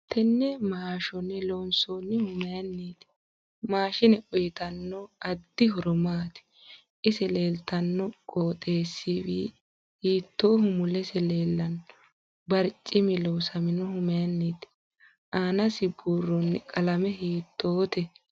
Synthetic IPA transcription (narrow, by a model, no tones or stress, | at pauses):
t̪ʰɛnːɛmaːʃɔnːɛlonsonːɪhʊmɛjɐnːiːt̪ | maːʃɪnɛʔʊjɪt̪ɐnːɔɐd̪ːɪɦɔɾɔmaːt̪ɪ̥ | ʔɪsɛle̞ːlt̪ɐnːɔkʼoːt̪ʼe̞ːsːiːwḭː | hiːt̪ːo̞ːhʊmʊlɛsɛle̞ːlːɐn | bɐɾt͡ʃʼːɪmɪloːsɐmɪnɔhʊmɛjɐnːiːt̪ | aːnɐsɪbuːrːɔnːɛkʼɐlɐmɛɦiːt̪ːoːt̪ɛ